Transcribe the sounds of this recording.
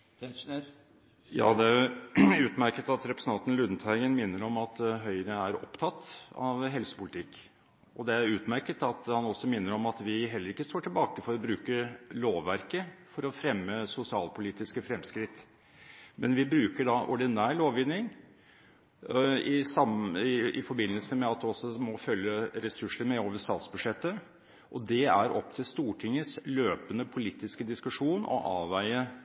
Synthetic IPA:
jɑ̰ːd̪ɛæjʊʉːt̪mæɾkət̪ɑt̪ɾɛpɾə̥sn̩ɑnt̪n̩lʉd̪n̩t̪ʰæɪɡənmɪnːəɾɔmɑt̪ɦœʏəɾəæɾɔ̰pt̪ʰɑt̪ːɑ̰ʋɦɛlsə̥pʊlɪt̪ʰɪkː | ɔd̪ɛæɾʉːt̪mæɾkət̪ɑt̪hɑnɔsːɔmɪnːəɾɔmɑt̪ʋɪɦɛlːəɾɪkːəst̪oːʈʰɪlbɑːkəfɔɾɔbɾʉːkəloːʋʋæɾkəfɔɾɔfɾɛmːəsʊsɪɑːlpʰʊliːt̪ɪskəfɾɛmskɾɪt̪ː | mɛnʋɪbɾʉːkəɖɑʔɔɖɪnæːɭoːʋʋɪnːɪŋ | ɪsɑmɪ̰fɔɾbɪnːəlsəmɛɑt̪ɔsːɔmɔfœljəɾɛsʉʂəɾmɛoːʋəʂt̪ɑːt̪sbʉd̪ʂɛt̪ːə | ʔɔd̪ɛæɾɔ̰pːt̪ʰɪlst̪uːʈʰɪŋːəsløːpənəpʰʊliːt̪ːɪskəd̪ɪskʉʂuːnɔ̰ʔɑːʋæɪə

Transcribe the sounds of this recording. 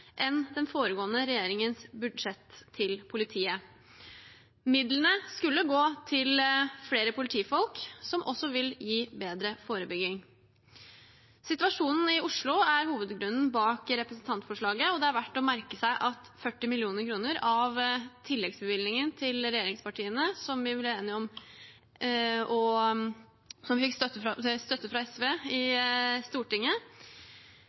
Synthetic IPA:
ʔɛnd̪ɛnfoːɾəɡoːənəɾɛjeːɾɪŋənsbʉd̪ʂɛt̪ʰːɪlpʰʊlɪt̪ʰiːə | mɪd̪lənəskʉlːəɡoːt̪ʰɪlfleːɾəpʰʊlɪt̪ʰiːfɔlksɔmʔɔsːɔʋɪljiːbeːd̪ɾəfoːɾəbʏɡɪŋ | sɪt̪ʋɑʂuːnn̩ɪʊʂɭʊæɾhuːʋəd̪ɡɾʉnːn̩bɑːkɾɛpɾəsn̩t̪ʰɑnt̪fɔʂɭɑːɡəɔd̪ɛɑɾʋæʈːɔmæɾkəsæɪʔɑt̪fœʈːɪmɪlɪuːnəɾkʰɾuːnəɾɑʋt̪ʰɪlːɛɡsbəʋɪlnɪŋənt̪ʰɪlɾɛjeːɾɪŋspɑʈʰiːənəsɔmʋɪbblæeːnɪəɔm | ɔ | sɔmʋɪfɪksəst̪œt̪ːəfɾɑɛsʋeːɪst̪uːʈɪŋːə

